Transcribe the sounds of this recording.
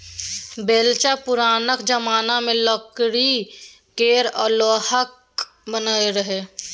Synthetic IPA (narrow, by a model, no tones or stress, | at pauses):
beːlt͡ʃapʊɾaːnəkd͡ʒəmaːnamẽlɔkɽi | keːɾɔːɾloːhək̚ | bənaeɾəɦeː